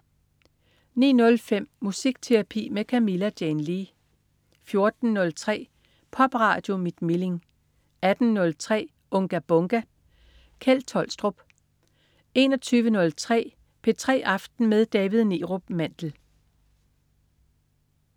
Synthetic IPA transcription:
nḭːnɔ̽lfem̰ːusiɡ̥t͡sʰeʁɑpʰḭːmekʰæmilæd̥jenliː | fjo̝ɐd̥n̩nɔ̽lt͡sʰʁɛ̰ː | pʰɒ̽b̥ʁɑ̰̈ːd̥jo̝mid̥mile̝ŋ | æd̥n̩nːɔ̽lt͡sʰʁɛ̰ː | ʔɔ̽ŋɡ̥æb̥ɔ̽ŋɡ̥æ | kʰelt͡sʰɒ̽l̰sd̥ʁob̥ | e̝nɒ̽t͡sʰyːʋənɔ̽lt͡sʰʁɛ̰ː | pʰe̝t͡sʰʁɛ̰ːʔɑ̈fd̥n̩með̞ˠd̥ɛːʋiðˠniːʁo̝̥mæn̰d̥l̩

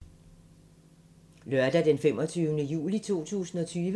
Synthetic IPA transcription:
lɶɐd̥æd̥enfemɒ̽t͡sʰyːʊnəjṵːlit͡sʰo̝̰ːt͡sʰṵːsn̩ɒ̽t͡sʰyːʋə

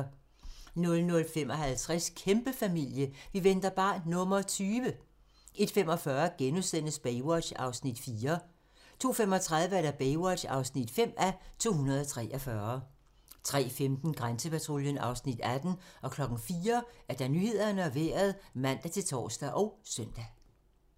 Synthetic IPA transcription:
nɔ̽lnɔ̽lfem̰ɒ̽hælt͡sʰʁɛskʰemb̥əfæmil̰jəʋiʋend̥ɐb̥ɑ̈ːnɔ̽mɐt͡sʰyːʋə | e̝d̥femɒ̽fɶɐɡ̥enusen̰əsb̥eɪwɒ̥ɕɑ̈ʊsnid̥fiːɐ | t͡sʰo̝̰ːfem̰ɒ̽t͡sʰʁäðˠʋəæɐd̥æb̥eɪwɒ̽ɕɑ̈ʊsnid̥fem̰æt͡sʰo̝̰ːɦunɐð̞ˠɒt͡sʰʁɛ̰ːʔɒfɶɐ | t͡sʰʁɛ̰ːfemd̥n̩ɡ̥ʁansəpʰæt͡sʰʁo̝ːljənɑ̈ʊsnid̥æd̥n̩ʔɒ̽kʰlɒ̽ɡ̥n̩fiːɐæɐd̥ɑ̈nyhe̝ð̰ˠɐnəɒʋe̝ːɐð̞ˠmæn̰d̥æt͡sʰe̝lt͡sʰɒ̰ːsd̥æʔɒ̽ʊsœn̰d̥æ

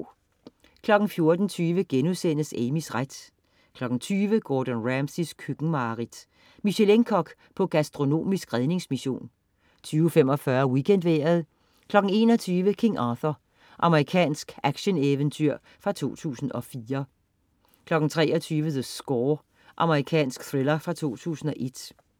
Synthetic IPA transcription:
kʰlɒ̽ɡ̥n̩fjo̝ɐd̥n̩t͡sʰyːʋəɡ̥enuðˠsen̰əsemisʁad̥ | kʰlɒ̽ɡ̥n̩t͡sʰyːʋəɡ̥ɒːd̥ɔnʁæmsiskʰyɡ̥ŋ̩mɑ̈ːʁid̥ | miɕeleŋkʰɒ̽ɡ̥ | pʰɒ̽ɡ̥æsd̥ʁo̝no̝̰ːmisɡ̥ʁɛð̞ˠne̝ŋsmiɕo̝̰ːn | t͡sʰyːʊfem̰ɒ̽fɶɐwikʰen̰d̥ʋeɐðˠ | kʰlɒ̽ɡ̥n̩e̝̰ːnɒ̽t͡sʰyːʋəkʰeŋʔɑθɐ | ʔɑ̈məʁikʰɛ̰ːnsɡ̥æɡ̥ɕəneʋənt͡sʰyɐ̰ | fʁɑ̈t͡sʰo̝̰ːt͡sʰṵːsn̩ɒ̽fiːɐ | kʰlɒ̽ɡ̥n̩t͡sʰʁɛːʔɒt͡sʰyːʋəðəsɡ̥ɒː | ʔɑ̈məʁikʰɛ̰ːnsɡ̥θʁelɐfʁɑ̈t͡sʰo̝̰ːt͡sʰṵːsn̩ɒ̽ʔe̝d̥

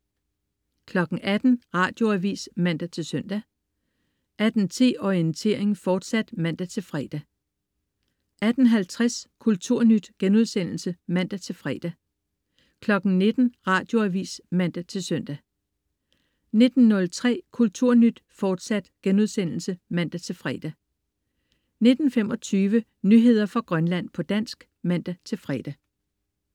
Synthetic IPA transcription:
kʰlɒ̽ɡ̥ŋ̩ʔæd̥n̩ʁɑ̈ːd̥jo̝æʋḭːsmæn̰d̥æt͡sʰe̝lsœn̰d̥æ | ʔæd̥n̩t͡sʰe̝̰ːɒiənt͡sʰe̝̰ɐ̰eŋ̩fɒːd̥sæd̥mæn̰d̥æt͡sʰe̝lfʁɛːd̥æ | ʔæd̥n̩ɦælt͡sʰʁaskʰult͡sʰuɐ̰nyd̥ɡ̥enuð̞ˠsen̰l̩səmæn̰d̥æt͡sʰe̝lfʁɛ̰ːd̥æ | kʰlɒ̽ɡ̥n̩ne̝d̥n̩ʁɑ̈ːd̥jo̝æʋḭːsmæn̰d̥æt͡sʰe̝lsœn̰d̥æ | ne̝d̥n̩ːɔ̽lt͡sʰʁɛ̰ːkʰult͡sʰuɐ̰nyd̥fɒːd̥sæd̥ɡ̥enuð̞ˠsen̰l̩səmæn̰d̥æt͡sʰe̝lfʁɛ̰ːd̥æ | ne̝d̥n̩fem̰ɒ̽t͡sʰyːʋə | nyɦe̝ð̞̰ˠɐfʁɑ̈ɡ̥ʁɶnlæn̰pʰɒ̽d̥æn̰sɡ̥ | mæn̰d̥æt͡sʰe̝lfʁɛ̰d̥æ

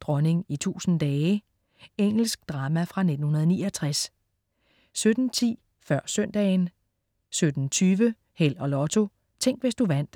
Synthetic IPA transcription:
d̥ʁɒ̽ne̝ŋit͡sʰṵːsn̩d̥ɛː | eŋ̰l̩sɡ̥̚d̥ʁɑ̈mæfʁɑ̈ne̝d̥n̩hunɐðˠniːɒt͡sʰʁas | sød̥n̩t͡sʰḭː | fɶɐ̰sœn̰d̥ɛ̰ːn | sød̥n̩t͡sʰyːʋə | hel̰ɒ̽lɒ̽t͡sʰo̝ | t͡sʰeŋ̰ɡ̥ʋe̝sd̥uʋæn̰d̥

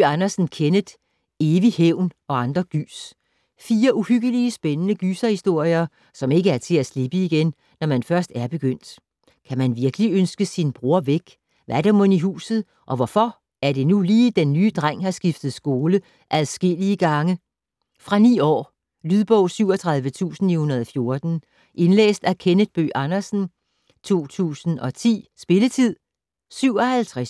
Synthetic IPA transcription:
ɑnɐsn̩kʰenəd̥ | e̝ːʋiheʊ̰n | ɒ̽ɑ̈nd̥ʁɐɡ̥y̰ːs | fiːɐʔuhyɡ̥əliəsb̥enənəɡ̥ysɐhisd̥o̝ɐ̰jɐ | sɒ̽me̝ɡ̥əæɐt͡sʰe̝læsleb̥əiɡ̥enː | ɒmænfɶɐsd̥æɐb̥e̝ɡ̥øn̰d̥ | kʰæmænʋiɐɡ̥əliønsɡ̥əsinb̥ʁu̝ɐ̰ʋeɡ̥ | ʋæɐd̥emoniɦṵːsð̩ˠ | ʔɒ̽ʋɒfɒ̽ | æɐd̥e̝nuliːd̥enːyːd̥ʁaŋ̰hɑ̈sɡ̥ifd̥ð̞̩ˠsɡ̥o̝ːlə | ʔæðˠsɡ̥e̝l̰iəɡ̥ɑ̈ŋə | fʁɑ̈nḭːɒ̰ː | lyðˠb̥ɔʊ̰syʊ̰ɒt͡sʰʁɑ̈ð̞ˠʋət͡sʰṵːsn̩ihunɐðˠɒfjo̝ɐd̥n̩ | ʔe̝nlḛːsd̥ækʰenəd̥b̥ø̰ːʔɑ̈nɐsn̩ | t͡sʰo̝̰ːt͡sʰṵːsn̩ɒ̽t͡sʰḭːsb̥e̝lət͡sʰið̞̰ˠ | syʊ̰ɒ̽hælt͡sʰʁas

